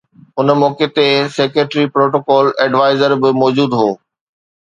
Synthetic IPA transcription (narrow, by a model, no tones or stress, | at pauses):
ʊnmɔːket̪eseːkeʈɾipɾoːʈoːkɔːlɛɖʋaːɪzəɾbɪmɔːd͡ʑuːd̪ɦoː